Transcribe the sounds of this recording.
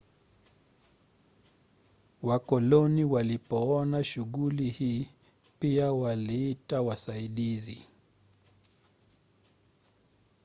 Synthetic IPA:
wakɔlɔniwalipɔɔnaʃuɣulihiː | piawaliitawasaiɗizi

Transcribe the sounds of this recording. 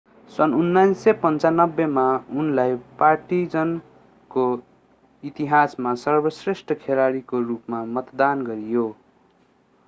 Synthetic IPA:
sʌnunːajsepʌnt͡sanʌbːemaunlajparʈid͡zʌn | ko | it̪iɦasmasʌrbʌsresʈʰʌkʰelaɽikorupmamʌt̪d̪anɡʌɾijo

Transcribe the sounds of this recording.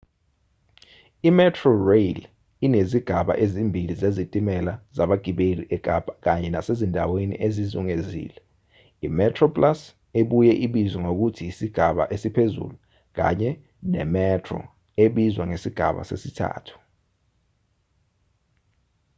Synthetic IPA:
imɛtʰrɔrejl | ineziɡ̥ʱaɓa̰ʔezimbʱilizezitʼimɛlazaɓaɡ̥ʱiɓeliʔɛk̬ʼab̥ak̬aɲɛnasezindʱawenḭʔezizuŋezḭːlɛ | imɛtʰʼrɔpʼlas | eɓujɛʔiɓizwɛŋok̬utʰiːsiɡ̥ʱaɓa̰ʔesipʰezṵlu | k̬a̰ɲɛ | nɛ̰mɛtʰrɔ̰ | eɓizwaŋesiɡ̥ʱaɓa̰sḛsitʰa̰ːtʰu̥

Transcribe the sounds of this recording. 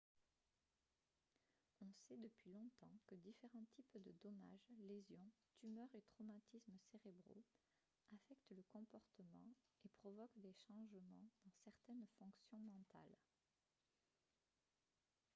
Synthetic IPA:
ɔ̃sɛd̪əpɥilɔ̃t̪ɑ̰̃kəd̪ifeʁɑ̃t̪ʰipd̪əd̪ɔma̰ʒlezjɔ̃t̪ymœʁet̪χɔmat̪ʰisməseʁebʁo̰ | afɛkt̪ləkɔ̃pɔʁt̪əmɑ̰̃ | epχɔvɔkd̪eʃɑ̃ʒmɑ̃d̪̥ɑ̃sɛʁt̪ɛnfɔ̃ksjɔ̃mɑ̃t̪a̰l

